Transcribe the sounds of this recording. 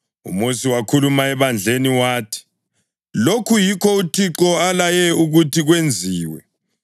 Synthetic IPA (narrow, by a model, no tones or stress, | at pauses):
ṵmosiwakʰulumaɛβand͡ɮʱeniwaːtʰi̥ | lokʰujikʰɔutʰiǁɔalajɛuɣutʰiɣwend͡zʱiːwɛ̰